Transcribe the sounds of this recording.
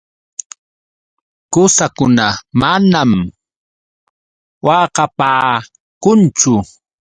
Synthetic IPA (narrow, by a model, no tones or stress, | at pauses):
kʊsakʊnamanam | wɑqɑpaː | kʊnt͡ʃʊ